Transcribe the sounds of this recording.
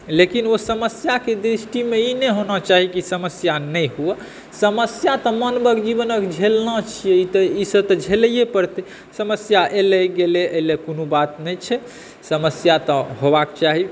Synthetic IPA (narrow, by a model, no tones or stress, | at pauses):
lekinosəməsjaked̪ɾisʈimeineɦonat͡ʃaɦikisəməsjanɛjɦue | səməsjat̪ɔmənbəɡd͡ʒiβənəkd͡ʒʱelnət͡ʃʰijeit̪əisəbt̪ɔd͡ʒʱelijepəɾt̪e | səməsjaʔelɛɡeleəilekonobat̪nɛt͡ʃʰɛ | səməsjat̪ɔɦobakt͡ʃaɦi